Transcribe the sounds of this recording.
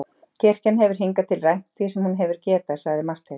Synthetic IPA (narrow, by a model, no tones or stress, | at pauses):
cʰɛr̥canɦɛvʏɾ̥ɦiŋkat̪ʰɪlrajm̥t̪ʰfisɛmhunɦɛvʏɾ̥cɛːt̪asaɣðɪmar̥t̪e